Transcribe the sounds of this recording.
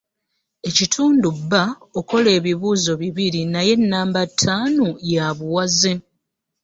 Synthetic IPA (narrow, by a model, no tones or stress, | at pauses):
e̞citʰuːndubːa | oko̞le̞ːβiβuːzo̞βiβiɾinaje̞nːaːmbatʰːaːnojaβuwazi